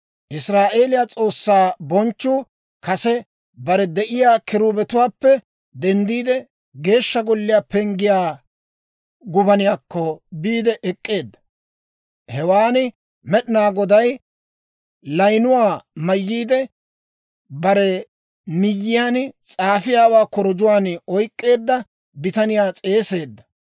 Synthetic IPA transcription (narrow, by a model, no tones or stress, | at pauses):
ʔɪsɾaːʔeːlɪjaːt͡sʼo̞ːsːaːbɔnt͡ʃːuː | kɐsɛ | bɐɾɛd̪ɛʔɪjaːkɪɾuːbɛt̪ʊwaːpːɛ | d̪ɛnd̪iːd̪ɛ | ɡe̞ːʃːɐɡɔlːɪjaːpɛŋɡɪjaː | ɡʊbɐnɪjaːkːɔbiːd̪ɛʔɛkʼːe̞ːd̪ːɐ̥ | hɛwaːnɪ | mɛɗɪnaːɡɔd̪ɐj | lɐjnʊwaːmɐjːiːd̪ɛ | bɐɾɛ | mɪjːɪjaːnt͡sʼaːfɪjaːwaːkɔɾɔd͡ʒʊwaːnɔjkʼːe̞ːd̪ːɐ | bɪt̪ɐnɪjaːt͡sʼe̞ːse̞ːd̪ːɐ̥